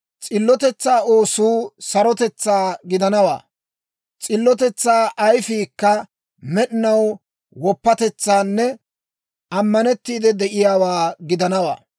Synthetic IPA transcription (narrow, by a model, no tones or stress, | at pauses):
t͡sʼɪlːɔt̪ɛt͡sːaːoːsuːsɐɾɔt̪ɛt͡sːaːɡɪd̪ɐnɐwa̰ː | t͡sʼɪlːɔt̪ɛt͡sːaːʔɐjfiːkːɐ | mɛɗɪnɐw | wɔpːɐt̪ɛt͡sːaːnːɛ | ɐmːɐnɛt̪ːiːd̪ɛd̪ɛʔɪjaːwaːɡɪd̪ɐnɐwa̰ː